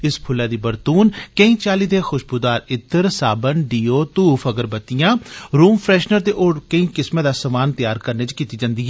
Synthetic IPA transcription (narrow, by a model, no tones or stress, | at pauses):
ɪspʰʊlːaːd̪iːbəɾt̪uːnkəĩːt͡ʃaːliːd̪exʊʃbʊd̪aːɾɪt̪ːəɾsaːbənɖiːoːt̪uːfʰəɡəɾbət̪ijãːɾuːmpʰɾɛːʃnəɾd̪eʔoːɽkəĩːkɪsmẽːd̪aːsəmaːnt̪ɪjaːɾkəɾneːt͡ʃkiːt̪iːd͡ʒãːnd̪iːɦɛː